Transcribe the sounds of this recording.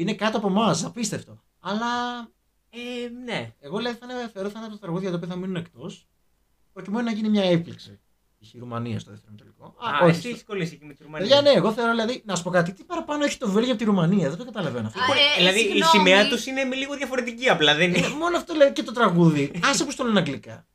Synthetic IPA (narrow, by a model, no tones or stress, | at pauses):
ine̞kɐt̪oɐpo̞mɐsɐpist̪eft̪o̞ | ɐlɐ | eneeɣo̞ðlɐðiθɐneθeo̞ɾoθɐnɐpot̪ot̪ɾɐɣuðiʝɐt̪oːpioθɐminunekt̪o̞s | pɾo̞cimenonɐʝinimɲɐepliksḭ | içiɾumɐniɐ̰st̪oðeft̪eɾnt̪oliko̞ɐoçiseçiskolisecimet̪iɾumɐeʝɐneːɣo̞θe̞o̞ɾoðilɐðinɐsu̥pokɐt̪it̪ipɐɾɐpɐnoeçi̥t̪ovelʝɐpot̪iɾumɐniɐðed̪oɡɐt̪ɐlɐvenoɐft̪olɐðiisimeɐt̪usinemiliɣoðjɐfo̞ɾe̞t̪iciɐplɐðenemo̞noɐft̪oðelɐðicet̪o̞t̪ɾɐɣuðiɐsipust̪onenɐɡlikɐ